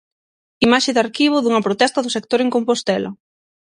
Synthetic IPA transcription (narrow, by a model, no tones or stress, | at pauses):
imaʃɪðaɾkiβ̞ʊðuŋɐpɾot̪ɛst̪ɐðʊsekt̪oɾeŋkompost̪ɛlɐ̰